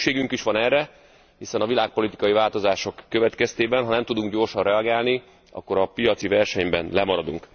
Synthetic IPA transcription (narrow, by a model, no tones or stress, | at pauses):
eːɡyŋkiʃʋɒnɛrːɛ | hisɛnɒvilaːk̚po̞lit̪i̥kɒjivaːlt̪o̞zaːʃo̞kːøvɛt̪kɛst̪eːbɛnɦɒnɛmt̪ud̪uŋkɟo̞ːrʃɒnrɛɒɡaːlni | ɒ̰kːo̞ɾɒpijɒt̪sivɛrʃɛɲbɛnlɛmɒɾɒd̪uŋk